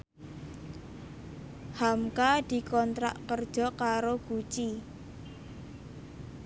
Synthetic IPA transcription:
hamkad̪̥i̤kɔnt̪ɾaʔkərd̥ʒ̥ɔ̤kaɾoɡ̥ut͡ʃi

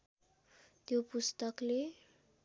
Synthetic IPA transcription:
t̪jopust̪ʌkle

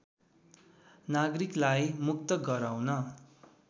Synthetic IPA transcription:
naɡriklajmukt̪ʌɡʌɾawnʌ

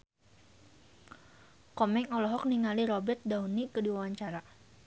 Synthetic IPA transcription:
kɔmɛŋɔlɔɦɔk̚niŋaliɾɔbɛt̪̚daunikədiwawaɲt͡ʃaɾa

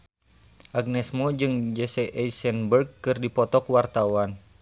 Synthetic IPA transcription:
ʔaɡ̚nɛsmod͡ʒɨŋd͡ʒɛsɛʔɛisɛnbərɡkɨrdipɔt̪ɔkuwart̪awan

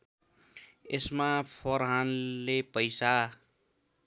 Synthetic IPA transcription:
esmapʰoɾɦanlepʌjsa

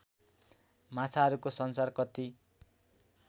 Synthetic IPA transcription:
mat͡sʰaʌɾukosʌnsarkʌt̪i

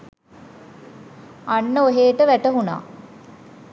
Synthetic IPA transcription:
anːəoɦeːʈəʋæʈəɦuna̰ː

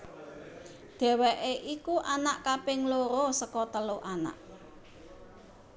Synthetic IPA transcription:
ɖ̪̥ɛ̤weʔeʔikuʔanaʔkapɪŋloɾosəkɔt̪əloʔana̰ʔ

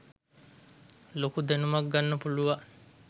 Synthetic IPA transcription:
lokud̪enumɐɡɡanːɐpuluʋa

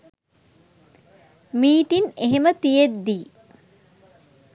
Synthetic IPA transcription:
miːʈineɦemət̪ijed̪ːiː

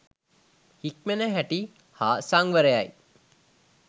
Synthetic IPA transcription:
hik̚menəɦæʈi | haːsaŋʋəɾejaj

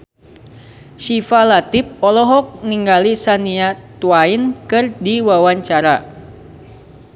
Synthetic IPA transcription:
ʃifalat̪ip̚ɔlɔɦɔk̚niŋɡalisaniat̪uainkɨrdiwawaɲt͡ʃaɾa

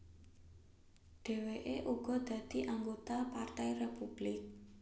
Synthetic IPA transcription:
ɖ̥e̤weʔeʔuɡ̥ɔ̤d̪̥ä̤d̪̥i̤ʔaŋɡot̪apart̪ɛjrepub̥lɪk̚

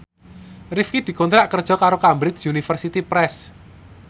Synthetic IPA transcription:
rifkid̪̥i̤kɔnt̪ɾaʔkərd̥ʒ̥ɔ̤kaɾokambɾɪsunifərsit̪ipɾɛs

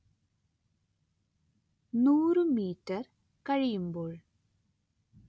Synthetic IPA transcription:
nuːɾɯmiːʈːɐɾ | kɐɻɪjɯmboːɭ

